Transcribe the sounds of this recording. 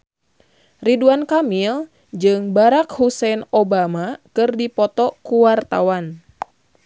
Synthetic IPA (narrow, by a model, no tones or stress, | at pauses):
riduankamil | d͡ʒɨŋbaɾakhusɛnobamakɨrdipɔt̪ɔkuwart̪a̰wan